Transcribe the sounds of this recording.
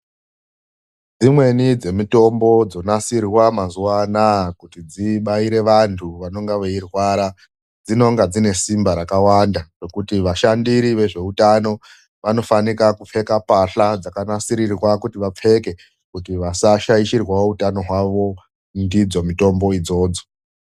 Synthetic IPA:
d͡zimwe̞nid͡ze̞mito̞mbo̞d͡zo̞nasirwamazuanakutid͡ziɓaiɾe̞ʋantʰuʋano̞ŋɡaʋeirwaɾa | d͡zino̞ŋɡad͡zine̞simbaɾakawandaro̞kutiʋaʃandiɾiʋe̞ʐe̞utano̞ | ʋano̞fanikakup͡fe̞kapaɬad͡zakanasiɾirwakutiʋap͡fe̞ke̞ | kutiʋasaʃaiʃirwautano̞ɦwaʋo̞ | ndid͡zo̞mito̞mbo̞id͡zo̞ːd͡zo̞

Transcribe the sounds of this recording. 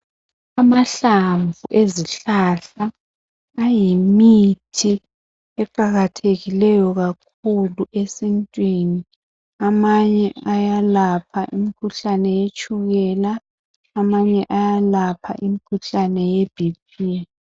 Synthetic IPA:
amaɬaɱvuʔeziɬaɬaː | jimitʰi | ɛǃaɣatʰeɣilɛjɔɣak̚ʰuluʔesintʼwini | amaɲɛajalapʰaʔimikʰuɬanɛjet͡ʃʼuɣɛlaː | maɲɛʔajalapʰa̰ʔimikʰuɬanɛjeb̥ʱipiɛ

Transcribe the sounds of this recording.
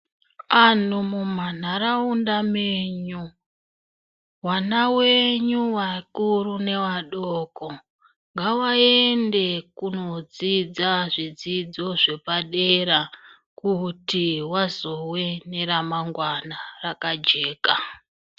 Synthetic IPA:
an̤umum̤an̤aɾaundameɲu | wanawe̞ɲuʋakurune̞ʋaɗoko | ŋɡawaende̞kuno̞d͡zid͡zaʐid͡zid͡zo̞ʐe̞paɗeɾa | kutiwazo̞we̞ne̞ɾamaŋɡwanarakad͡ʒe̞ːka

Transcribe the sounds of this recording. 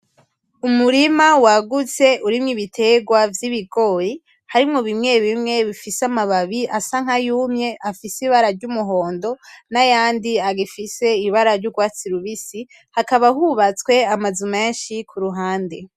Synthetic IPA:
umuɾimawaɡut͡se̞ʔuɾimŋiβitʰe̞ɡwavjiβiɡo̞ɾi | haɾimŋoβimŋe̞βimŋe̞βifisamaβaβiʔasaŋ̥ajuːmɲe̞ʔafisiβaɾaɾɟumuɦo̞ːndo̞najaːndiaɡifiseiβaɾaɾɟuɡwaːt͡siɾuβisi | hakaβahuβat͡skwe̞amazume̞ːnʃikʰuɾuɦaːnde̞

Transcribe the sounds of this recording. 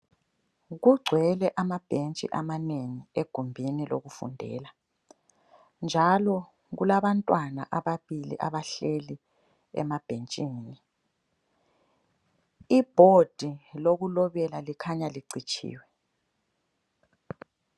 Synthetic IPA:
ɣuɡ͡ǀʱwɛlɛʔamab̥ʱent͡ʃʼḭʔamaneŋieɡ̥ʱumbʱinilo̰ɣufṵndʱɛ̰ːla | nd͡ʒʱalɔ | ɣulaβantʼwana̰ʔaβaβilḭʔa̰βaɬeli | ɛ̰mab̥ʱent͡ʃʼini | ib̥ʱod̥ʱiloɣulɔβɛlalikʰaɲaliǀit͡ʃʼʰḭːwɛ

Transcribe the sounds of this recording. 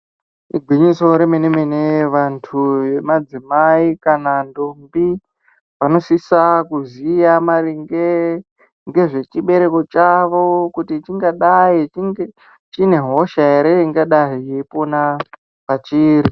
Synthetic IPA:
ḭɡʱwiɲiso̞ɾemenemeneʋantʰuje̞mad͡zimaikanandombi | ʋano̞sisakuzijamariŋɡe | ŋɡe̞ʐe̞t͡ʃiɓe̞ɾe̞ko̞t͡ʃaʋo̞kutit͡ʃiŋɡaɗait͡ʃiŋɡe | t͡ʃine̞ɦo̞ʃaeɾeiŋɡaɗaɦijeipo̞na | pat͡ʃiːɾi

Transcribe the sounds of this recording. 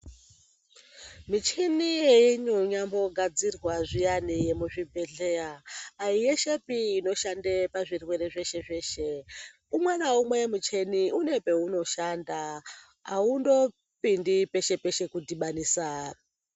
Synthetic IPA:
mit͡ʃinijeiɲoɲambo̞ɡʱad͡zirwaʐijanijemuʐibʱe̞ɮe̞ɾaːijeʃe̞piːno̞ʃandepaʐirwe̞ɾe̞ʐe̞ʃe̞ʐe̞ːʃe̞ | umwenaumwemut͡ʃe̞niune̞pe̞uno̞ʃanda | a̰undo̞ | pindipe̞ʃe̞pe̞ʃe̞kudiɓaniːsar

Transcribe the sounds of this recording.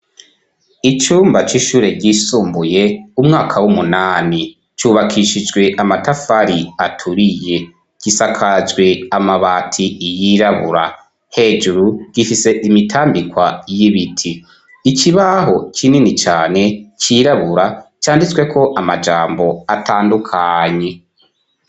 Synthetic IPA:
it͡ʃuːmbat͡ʃiʃuːɾe̞ɾɟisuːmbuje̞umŋaːkʰawumunaːni | t͡ʃuːβakʰiʃid͡ʒɡwe̞ʔamatafaɾiatʰuɾije̞ | ɡ̥isakʰad͡ʒɡwe̞amaβaːtʰiijiɾaβṵɾa̰ | he̞ːd͡ʒuɾuɡ̥ifise̞ʔimitʰaːmbikwajiβitʰiː | ciβaɦo̞cʰininit͡ʃaːne̞t͡ʃiɾaβuɾat͡ʃaːndit͡swe̞kʰo̞ʔamad͡ʒaːmbo̞atʰaːndukʰaɲe̞

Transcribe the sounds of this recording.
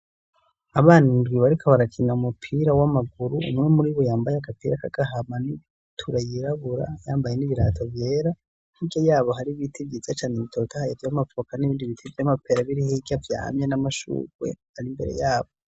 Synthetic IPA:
aβaːnindɡiβaɾikʰaβaɾakʰinaumupʰiɾawamaɡuɾuṵmŋemuɾiβojaːmbajekapiːɾakaɡ̥aɦamani | tʰuɾajiɾaβuɾa̰jaːmbaje̞niβiɾa̰ːtʰavjeːɾa | n̥hiɟojaːβo̞haɾiβitʰivɟizat͡ʃaːneβitʰoːtʰahajevjamafokaniβiːndiβitʰivjamapʰeɾaβiɾihiɡavja̰ːmjenamaʃṵːkwe̞̰ | aɾimbe̞̰ɾe̞̰jaːβo

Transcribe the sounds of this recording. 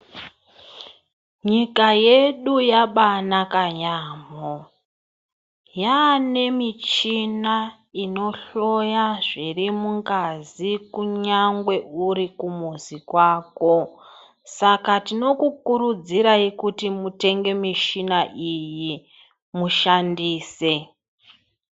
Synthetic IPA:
ɲikaje̞ɗujaɓanakaɲaːmo | jane̞mit͡ʃina | ino̞ɬo̞jaʐirimuŋɡazikuɲaŋɡwe̞uɾikumuzikwaːko̞ | sakatino̞kukuɾud͡ziɾaikutimute̞ŋɡe̞miʃinaʔiji | muʃandiːse̞

